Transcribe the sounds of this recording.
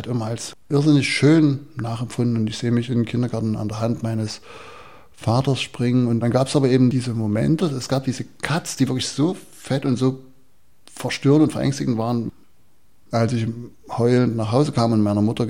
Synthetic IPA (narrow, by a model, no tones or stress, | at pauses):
tʔɪmɐalsʔɪɐzɪnlɪçʃøːnnaːχɛmfʊndn̩ʊntɪçz̥eːəmɪçɪnkʰɪndɐɡaɐtn̩a̰ndeːɐɦantmaɪnəs | faːtɐsʃpʁ̥ɪŋənʊntd̥anɡaːpsʔaːbɐʔeːbm̩d̥iːzəmomɛ̰ntəɛsɡ̥aːp̚d̥iːzəkʰat͡sd̥iːvɪɐklɪçz̥oː | fɛtʊntz̥oː | fɛɐʃtʏːɐəntʊntfɛɐʔɛ̰ŋstɪɡŋ̩tv̥aːʁən | ʔalsɪç | hɔʏlntnaːχɦaʊzəkʰaːmʊntmaɪnɐmʊtɐ